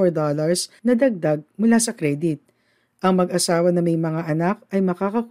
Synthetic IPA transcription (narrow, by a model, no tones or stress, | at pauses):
ɔɹd̪olɐɹsnɐd̪ɐɡ̚d̪aɡ̚mʊlasɐkɾɛd̪ɪt̪̚ | ʔɐŋmɐɡɐsaːwɐnɐŋmɐjmɐŋaʔɐnak̚ɐjmɐkaːkɐk